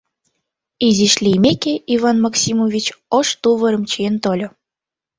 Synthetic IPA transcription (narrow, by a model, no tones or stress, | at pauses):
iziʃlʲijmekeivɑnmɑksʲimovʲit͡ɕoʃt̪uβəɾə̆mt͡ɕient̪olʲo